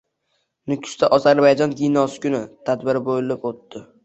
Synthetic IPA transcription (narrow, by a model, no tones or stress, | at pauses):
nʊkʲʰʊ̥st̪aʔɒzaɾbajd͡ʒɒnɡʲijnɒsɪ̥kʲʊnɪt̪ʰad̪bɪɾɪbojɪlɪpot̪ːɪ